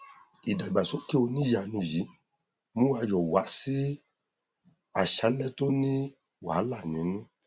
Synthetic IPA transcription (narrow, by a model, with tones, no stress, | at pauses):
i˨da˨i˨ɡ͡ba˨so˦ke˦o˧nĩ˦ja˧˨nũ˧˨ji˨˦ | mũ˦wa˧jɔ˨wa˨˦si˦ | a˨ʃa˨˦lɛ˦˨to˦nĩ˦ | wa̰˨˦la˦˨nĩ˨˦nũ˦